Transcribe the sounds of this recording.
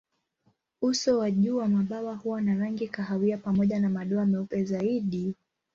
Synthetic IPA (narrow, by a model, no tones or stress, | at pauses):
usɔwaʄuːwamaɓawahuwanaɾaŋɡikaɦawiapamɔʄanamaɗɔamɛupɛzaiɗi